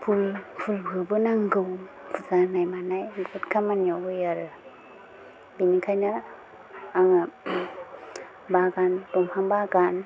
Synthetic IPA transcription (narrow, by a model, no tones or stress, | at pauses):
pʰujpʰulbʱɯbɯnaŋɡɯwpʰuzanajmanajɡutkʰamanjɔujaɾɯ | binikʰajna | aŋa | baɡantɔmhaŋbaɡan